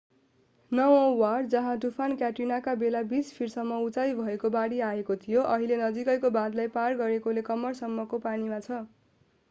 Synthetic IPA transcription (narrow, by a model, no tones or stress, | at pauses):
nʌwõward͡zʌɦãʈupʰankjaʈinakabelabispʰirsʌmːʌut͡sajbʱʌekobaɽiaekot̪ʰijoʔʌɦilenʌd͡zikʌjkobãd̪lajparɡʌɾekolekʌmːʌrsʌmːʌkopanimat͡sʰʌ